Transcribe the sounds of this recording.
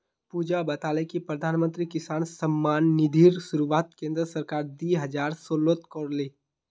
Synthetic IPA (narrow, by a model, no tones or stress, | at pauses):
puːd͡ʒabɐt̪aːlẽkipɾɐd̪ʱaːnmə̃nt̪ɾikɪsaːnsəmːaːnːɪd̪ʱiːɾsʊɾuʋaːt̪kẽːnd̪ɾəsəɾkaːɾd̪iːɦɐd͡ʒaːɾsoːlot̪koːɾleː